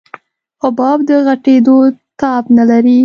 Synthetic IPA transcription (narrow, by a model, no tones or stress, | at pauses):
ʊbɑbd̪əɣaʈed̪ot̪ɑbnalaɾi